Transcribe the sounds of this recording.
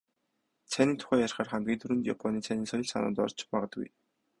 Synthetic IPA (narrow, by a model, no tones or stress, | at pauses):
t͡sʰæniːnt̪ʰʊ̥xʲæːjarχaːrχæmɡʲiːnt̪ʰuɾɘ̆nt̪japʰɔniːt͡sʰæniːsɔjɞ̆ɮsa̰nʊ̰nt̪ɔ̰rt͡ɕɪpaːʁə̆t̪ɡṵj